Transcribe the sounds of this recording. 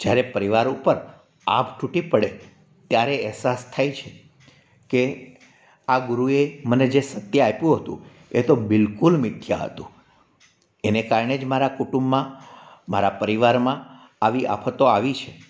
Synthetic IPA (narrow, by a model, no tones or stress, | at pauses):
d͡ʒjaɾepəɾiʋaɾupəɾ | a̰pʈʰuʈipəɽe | t̪jaɾeəɦsast̪ʰajt͡ʃʰe | ke | aɡʊɾueməned͡ʒesət̪jəapjũɦət̪ṵ̃ | ḛt̪obɪlkulmɪt̪ʰja̰ɦə̰t̪ṵ̃ | enekaɾɳed͡ʒmaɾakuʈũmːãma̰ɾapəɾiʋaɾmã | aʋiʔa̰pʰət̪oaʋit͡ʃʰe